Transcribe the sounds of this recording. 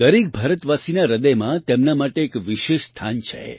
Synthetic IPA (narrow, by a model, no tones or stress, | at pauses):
d̪əɾik̚bʱəɾət̪ʋasinaɾəd̪əjmãt̪emnamaʈeːkʋiʃeʃst̪ʰant͡ʃʰḛ